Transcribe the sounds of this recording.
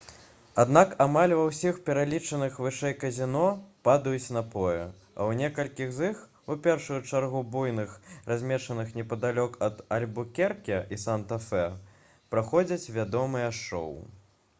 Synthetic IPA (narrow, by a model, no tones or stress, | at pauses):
ad̪nakamalʲvɐwsʲixpʲɛɾalʲit͡ʂɐnɨxvɨʂɛjkɐzʲinɔpad̪ɐjut͡sʲnɐpɔjɛ̰ | ɐ̰wnʲɛkɐlʲkʲiɣzix | upʲɛrʂujut͡ʂarɣubujnɨxrazʲmʲɛʂɐnɨxnʲɛpɐd̪alʲɔkɐd̪ɐlʲbukʲɛrkʲɛʔisant̪ɐfɛ | pɾaxɔd͡zʲɐt͡sʲvʲad̪ɔmɨjɛʂɔ̰w